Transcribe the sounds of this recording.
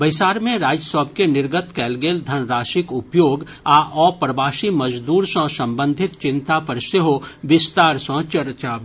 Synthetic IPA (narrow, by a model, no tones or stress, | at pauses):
bɐɪsaːɾmẽɾaːd͡ʒjəsɔːb̚kenɪɾɡət̪kɛːlɡeːld̪ʱɐnɾaːʃɪkʊpjoːɡ | aːʔɔːpɾəbaːʃimɐd͡ʒd̪uːɾsə̃ːsɐ̃mbə̃nd̪ʱɪt̪t͡ʃɪ̃nt̪apɐɾseɦoʋɪst̪aːɾsə̃ːt͡ʃɐɾt͡ʃaː